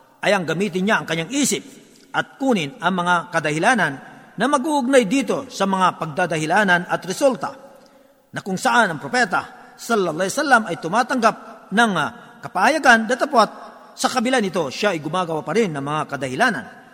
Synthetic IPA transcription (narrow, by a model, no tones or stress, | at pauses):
ʔɐjɐŋɡɐmiːt̪̬ɪnɲaɐŋkɐɲːaŋʔiːsɪp̚ | ʔɐt̪̚kuːnɪnɐŋmɐŋakɐd̪ɐhɪlaːnɐnːɐmɐɡuʔʊɡ̚najd̪iːt̪o̞sɐmɐŋapɐɡ̚d̪aːd̪ɐhɪlaːnɐnɐt̪ɾɛsult̪ɐ | nɐkʊŋsɐʔanɐŋpɾopɛt̪ɐ | sɐlːɐlːˠɑːhsalːɐmɐjt̪ʊmaːt̪ɐŋɡap̚nɐŋkɐpahɐjaɡand̪ɐt̪ɐpwat̪̚ | sɐkɐbɪlanɪt̪o̞ʃaɐjɡʊmaːɡɐwapɐɾɪnːɐŋmɐŋakɐd̪ɐhɪlaːnɐ̰n